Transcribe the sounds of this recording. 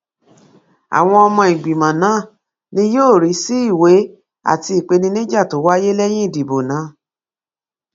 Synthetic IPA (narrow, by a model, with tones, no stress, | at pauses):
a̰˨w̃ɔ̃˧ɔ˧mɔ̃˧i˨ɡ͡bi˨mã˨nãː˨˦˨ | nĩ˧˦joː˦˨ɾi˨˦si˦i˦˨we˨˦ | a̰˦˨ti˧i˨k͡pe˧nĩ˧nĩ˦d͡ʒa˦˨to˨˦wa˦je˦lɛ˦j̃ĩ˦i˦˨di˨bo˨nã˨˦